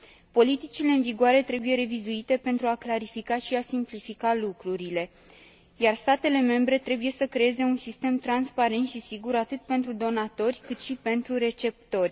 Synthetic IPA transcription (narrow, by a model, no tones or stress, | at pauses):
po̞lit̪it͡ʃile̞ɨnviɡoaɾe̞t̪ɾe̞buje̞ɾe̞vizuit̪e̞pe̞nt̪ɾuaklaɾifikaʃiasimplifikalukɾuɾile̞ | jarst̪at̪e̞le̞me̞mbɾe̞t̪ɾe̞buje̞səkɾe̞eze̞unsist̪e̞mt̪ɾanspaɾe̞nt̪ʃisiɡuɾat̪ɨt̪̚pe̞nt̪ɾud̪o̞nat̪o̞rʲkɨt̪ʃipe̞nt̪ɾuɾe̞t͡ʃe̞p̚t̪o̞rʲ